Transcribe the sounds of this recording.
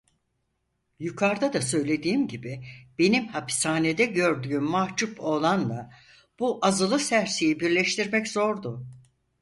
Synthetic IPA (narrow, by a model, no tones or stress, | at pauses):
jukʰaɾd̪ad̪asø̞jlʲe̞d̪iːmɟibib̥e̞nimhapi̥saːned̪ɛɟø̞ɾd̪yːmːaht͡ʃupʰo̞lˠand̪a | b̥uʔazɯlˠɯsæɾsijibiɾlʲɛʃt̪ʰiɾmɛczo̞ɾd̪ʊ